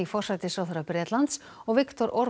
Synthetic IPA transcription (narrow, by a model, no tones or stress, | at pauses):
ifɔr̥sajt̪ɪsawθœɾapɾɛːt̪lant̪s | ɔɣvɪkt̪ɔɾʔɔɾ